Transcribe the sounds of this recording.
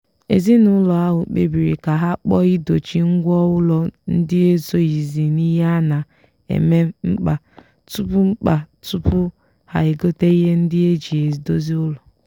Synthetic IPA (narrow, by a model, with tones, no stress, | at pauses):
ḛ˨zi˦nʊ˦lɔ˨a˦ɦʊ̰˨k͡pḛ˦bi˨ɾḭ˨ka˨ɦa˦k͡pɔ˦i˦do˨t͡ʃi˨ŋ̩˦ɡʷɔ˦ʊ˦lɔ˨n̩˦dɪ˦e˦zo˦i˨zi˨ni˦ɦa˦na˨ | ḛ˨me˦ŋ͡m̩˦k͡pa˨ | tu˦pʊ˦ŋ͡m̩˦k͡pa˨tu˦pʊ˦ | ha̰˨e˨ɡo˦te˦i˦ɦe˦n̩˦dɪ˦e˦d͡ʒi˨e˨zi˨do˦zi˦ʊ˦lɔ˨